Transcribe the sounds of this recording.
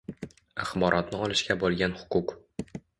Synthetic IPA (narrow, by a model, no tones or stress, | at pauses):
aχbɒɾʔɒt̪nɪɒlˠɪʃkʲabolˠɡʲanhʊ̥qʊq